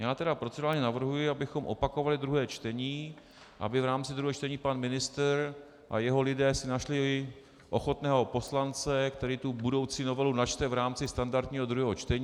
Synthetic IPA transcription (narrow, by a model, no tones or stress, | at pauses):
jaːt̪ɛdapɾot͡sɪdaːɲɛnavr̩ɦujɪabɪxo̞mʔo̞pakovalɪd̪ɾuɦɛːt͡ʃt̪ɛɲiː | ʔa̰bɪvɾaːmt͡sɪd̪ɾuɦɛːt͡ʃt̪ɛɲiːpanmɪnɪst̪ɾ | ʔa̰jɛɦo̞lɪdɛːsɪnaʃlɪ | ʔo̞̰xo̞t̪nɛːɦo̞po̞slant͡sɛkt̪ɛɾiːt̪ubudo̞wt͡siːno̞vɛlunat͡ʃt̪ɛvɾaːmt͡sɪst̪andaɾt̪ɲiːɦo̞d̪ɾuɦɛːɦot͡ʃt̪ɛɲː